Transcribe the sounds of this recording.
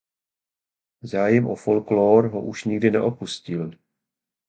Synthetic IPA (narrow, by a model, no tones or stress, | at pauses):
zaːjɛmʔofolkloːɾɦo̰ʔuʃɲɪɡdɪnɛ̰ʔo̞puscɪl